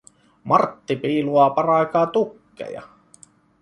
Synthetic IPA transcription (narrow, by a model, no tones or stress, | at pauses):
mɑrt̪ːipiːluɑpɑrɑˑikɑːt̪ukːḛjɑ̰